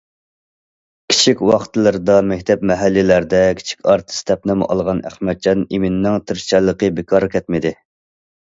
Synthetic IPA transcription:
kʲʰi̥t͡ʃʰikʲwɑχt̪ʰɨlˠɨɾɨd̪ɑmɛkʲt̪ʰɛp̚mɛɦælːɪlæɾd̪ɛkʲʰi̥t͡ʃʰi̥kʲʰɑɾt̪ʰɨ̥st̪ʰɛp̚nɪmʔɑ̰lˠʁɑnæ̰χmɛt̪̚t͡ʃʰɑnimɪnnːɪŋt̪ʰɨɾt͡ʃʰɛlˠːəqəbɪkʰɑɾkʲʰɛt̪̚mɪd̪ɪ

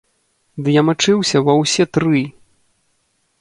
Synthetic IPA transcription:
d̪ɨjamat͡ʂɨwsʲɐvɐwsʲɛt̪ɾɨ

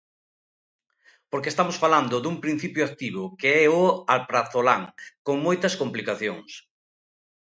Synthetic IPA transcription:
poɾkest̪amosfaland̪ʊðuŋpɾin̟θipjʊak̚t̪iβ̞ʊkeɛʊalpɾaθolaŋkoŋmojt̪ɐskomplikaθjoŋs

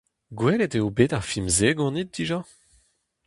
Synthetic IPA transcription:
ɡwɛleteobeːtaʁfimzeːɡɔ̃nit̚diʒa

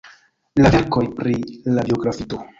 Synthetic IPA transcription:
lave̞ɾko̞jpɾilabio̞ɡɾafito̞

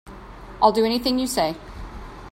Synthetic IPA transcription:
aɪlˠdəɛñɪθɪ̃ŋjəseɪ

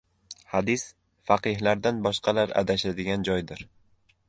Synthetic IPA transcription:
had̪ɪs | faqɨhlaɾd̪anbɒʃqʰɑlaɾa̰d̪aʃad̪ɪɡʲand͡ʒɒjd̪ɪɾ

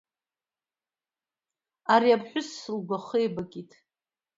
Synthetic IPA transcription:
aɾiapʰʼħʷᶣʊsːɨlɡʷaχejbakʼitʰʼ

